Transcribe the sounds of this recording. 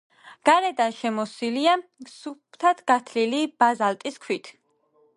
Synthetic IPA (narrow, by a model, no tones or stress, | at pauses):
ɡ̥aɾɛd̪anʃɛmɔsiliasupʰt̪ʰat̪ʰɡ̥at̪ʰlilib̥azalt̪ʼiskʰwit̪ʰ